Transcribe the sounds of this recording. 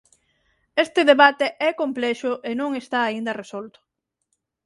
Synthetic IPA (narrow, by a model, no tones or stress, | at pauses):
est̪ɪðeβat̪eʔɛkomplɛʃʊʔenõŋest̪aːind̪ɐresolt̪ʊ̥